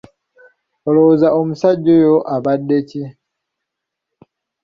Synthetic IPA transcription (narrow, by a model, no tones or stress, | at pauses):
olozaomusaɟːojo̞ʔaβadːe̞ci